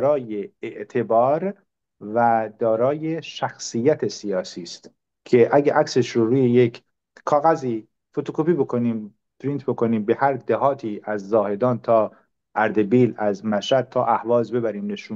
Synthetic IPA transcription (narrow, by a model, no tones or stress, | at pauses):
ɾɒːjeːʔt̪ʰe̞bɒːɾ | væd̪ɒːɾɒːjeʃæxsijːæt̪ʰe̞sijɒːsiːst̪ | cʰe̞ʔæɟæʔækseʃɾoɾuːjejekʰ | kʰɒːɣæziː | fo̞t̪okʰopʰiːbo̞kʰo̞niːm | pɾint̪ʰbo̞kʰo̞niːmbe̞hæɾd̪ehɒːt̪ʰiːʔæzːɒːhe̞d̪ɒːnt̪ʰɒː | ʔæɾd̪e̞biːlæzmæʃæd̪̚t̪ʰɒːʔæhvɒːzbe̞bæɾiːmne̞ʃum